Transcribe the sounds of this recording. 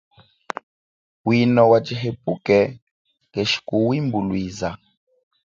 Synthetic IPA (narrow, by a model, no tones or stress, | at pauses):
winɔwat͡ʃiɦepukɛ | ŋɡɛʃi̥kuwimbulwiːza